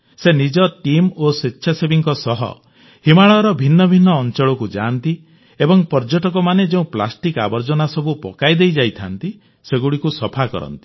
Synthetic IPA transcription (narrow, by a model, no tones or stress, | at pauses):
senid͡ʒɔʈimositːʃʰasebiŋkɔsɔɦɔ̰ | himaɭɔɾɔbʱinːɔbʱinːɔːnt͡ʃɔɭɔkud͡ʒaːnt̪i | ebɔŋpɔɾd͡ʒɔʈɔkɔmaned͡ʒeũpla̰sʈika̰bɔɾd͡ʒɔnasɔbʱupɔ̰kajd̪ejd͡ʒajt̪ʰant̪i | seɡuɽikusɔpʰakɔ̰ɾɔ̰nt̪i̥